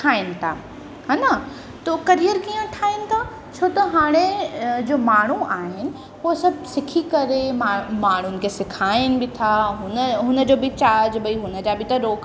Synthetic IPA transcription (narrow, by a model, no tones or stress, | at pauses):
ʈʰaːɪnɪ̆t̪ʰa̰ː | haːnɐ | t̪okɐɾijəɾkiːə̃ʈʰaːɪnɪ̆t̪ʰa | t͡ɕʰoːt̪ɐɦaːɽ̃ed͡ʑoːmaːɳ̤̃uʔaːɦɪnɪ̆ | ɦosɐbʱsɪkʰikɐɾemaːmaːɳ̤̃ʊnɪ̆kʰesɪkʰaːɪnɪ̆bɪt̪ʰaɦʊnəɦʊnə̆d͡ʑoːbʱɪt͡ɕaːɾd͡ʑbɐiɦʊnə̆d͡ʑabɪt̪ɐɾoːk